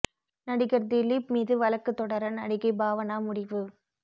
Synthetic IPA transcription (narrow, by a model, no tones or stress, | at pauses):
nɐɽɪɣɐɾd̪ɪlipmiːðɯʋɐlɐkːɯt̪ːɔɽɐɾɐnɐɽɪɣɐɪbaːʋɐnaːmʊɽɪʋɯ